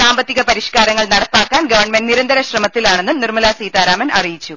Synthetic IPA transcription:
saːmbɐt̪ːiɣɐpɐɾiɕkaːɾɐŋːɐɭnɐɽɐpːaːkːaːnɡɐʋɐrɳmenniɾɐnd̪ʱɐɾɐɕrɐmɐt̪ːilaːɳe̞nːunirmɐlaːsiːt̪aːɾaːmɐnɐrijit͡ɕːu

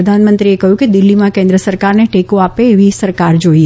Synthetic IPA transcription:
əd̪ʱanmənt̪ɾiekəɦjũked̪ɪlːimãkẽnd̪ɾəsəɾkaɾneʈekũapeːʋisəɾkaɾd͡ʒoi

